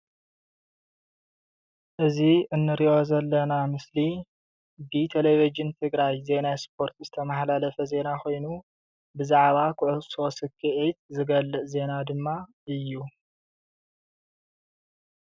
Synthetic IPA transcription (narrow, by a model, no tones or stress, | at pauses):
ʔɨziɨnːɨɾiʔo̞zɐlːɐnamɨsli | bit̪ʰelevid͡ʒɨnt̪ʰɨɡɾajze̞naspʰo̞ɾt̪zɨt̪ʰɐmaħlalɐfɐze̞nakʰo̞jnu | bɨzaʕβakʰʊʕuso̞sɨkʰːɨʕit̪zɨɡɐlːɨʔze̞nad̪ɨmːa | ɨjːu